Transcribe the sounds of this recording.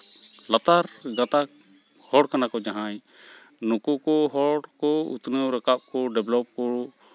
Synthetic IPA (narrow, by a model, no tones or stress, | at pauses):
lat̪aɾɡat̪ak | hɔɽkanakɔd͡ʒaɦaɲ | nukukɔɦɔɽkɔṵt̪nəwɾakap̚kɔɖɛblɔp̚kɔ